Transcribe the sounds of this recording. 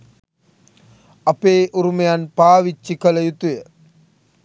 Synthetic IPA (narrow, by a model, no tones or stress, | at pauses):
ɐpeːʔuɾumɐjanpaːʋit͡ʃːikɐlɐjut̪ujə